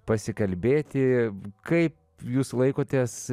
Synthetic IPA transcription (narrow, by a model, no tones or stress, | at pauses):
pɐsʲɪkɐlʲbʲeːt̪ʲɪkɐɪp̚ | juːslˠɐɪkoːt̪ʲeːs